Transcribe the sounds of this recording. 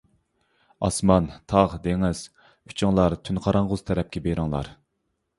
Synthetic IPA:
ɑ̰smɑnt̪ʰɑʁd̪eŋɪz̥ | y̥t͡ʃʰiŋlˠɑɾt̪ʰynqʰɑɾɑɴʁʊz̥t̪ʰɛɾɛp̚kʲɛbeɾɨŋlˠɑ̰ɾ

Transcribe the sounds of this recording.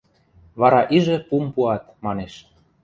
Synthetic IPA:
βɑɾɑʔiʒĕpumpuɑt̪mɑneʃ

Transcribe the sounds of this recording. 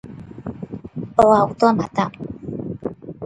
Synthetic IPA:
ɔwaut̪ɔmat̪a

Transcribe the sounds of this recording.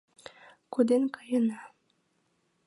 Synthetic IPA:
kud̪enkɑjɤnɑ

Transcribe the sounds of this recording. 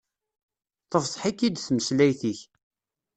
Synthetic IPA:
t̪ˤəfsˤħikːid̪θməslæjθiç

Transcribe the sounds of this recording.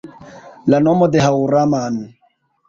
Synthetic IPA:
lanomɔd̪eɦawɾaman

